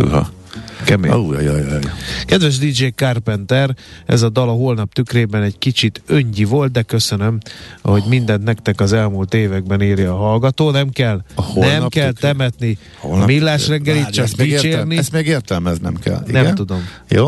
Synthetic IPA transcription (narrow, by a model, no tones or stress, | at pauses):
ṵɦɒ̰ | kɛmḛo̰jo̰jo̰jo̰jojkɛd̪vɛʒd̪id͡ʒeːkarpɛnt̪ɛrɛ̰zɒd̪ɒlɒɦo̞lnɒp̚t̪ykreːbɛnɛɟkit͡ʃit̪øɲɟivo̞lt̪̚d̪ɛkøsønømho̞ɟmind̪ɛnt̪nɛkt̪ɛkɒzɛlmuːlt̪eːvɛɡ̚bɛneːɾjiɒɦɒlɡɒt̪oːnɛmkɛlhonɛmkɛlt̪ɛmɛt̪ni | holnɒmilːaːʃrɛŋɡɛliːt͡ʃːɛsit͡ʃeːrniɛsmeɡeːrt̪ɛlmɛznɛ̰mkɛ̰linɛmt̪ud̪o̞mjo̰ː